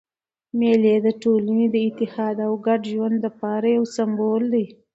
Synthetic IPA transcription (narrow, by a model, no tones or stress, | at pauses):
meled̪əʈolaned̪əɪt̪ɪhɑd̪awɡaɖʒwand̪lapɑɾajawsambold̪aj